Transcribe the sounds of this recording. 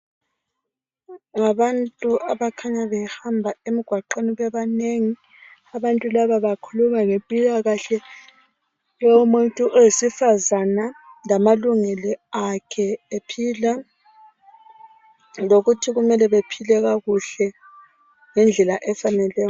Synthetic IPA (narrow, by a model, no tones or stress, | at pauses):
ŋaβantʼuʔaβakʰaɲaβɛhambʱaemiɡ̥ʱwaǃeniβɛβaneŋi | aβantʼulaβaβakʰulumaŋempʼilaɣaɬɛ | jɔmuntʼuʔɛjesifazanalamaluŋɛlɔakʰɛepʰila | loɣutʰiɣumɛlɛβepʰilɛɣaɣuɬɛ | ŋɛnd͡ɮʱɛlaʔɛfanɛlɛːjɔ